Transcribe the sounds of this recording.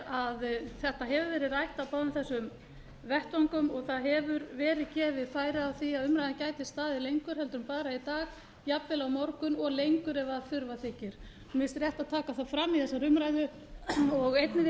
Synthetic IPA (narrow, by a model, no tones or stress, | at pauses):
aðθɛht̪aɦɛvʏɾvɛːɾɪðrajht̪apaːwðʏmθɛsːʏm | vɛht̪vɔŋkʏmɔɣθaðɦɛvʏɾvɛːɾɪðcɛːvɪðfaːjɾɪawθiaðʏmɾajðancaːjt̪ɪst̪aːðɪlejŋkʏɾ̥ɦɛlt̪ɾʏmpaːɾait̪aːɣ | japvɪlawmɔɾkʏnɔɣlejŋkʏɾɛvaθʏɾvaθɪcɪɾ̥ | mɪst̪ɾjɛht̪aðt̪ʰaːkaθaðfɾamːiðθɛsːaɾʏmɾajðʏ | ɔɣejt̪nɪ